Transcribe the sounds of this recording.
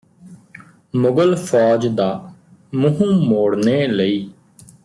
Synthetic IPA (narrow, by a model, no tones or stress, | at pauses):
mʊɡəlpʰɔːd͡ʒd̪aː | mʊɦũːmoːɽneːləiː